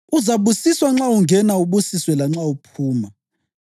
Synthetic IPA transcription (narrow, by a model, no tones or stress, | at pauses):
uzaβusiswaŋ͡ǁauŋɡʱɛnauβusiswɛlaŋ͡ǁaupʰuːma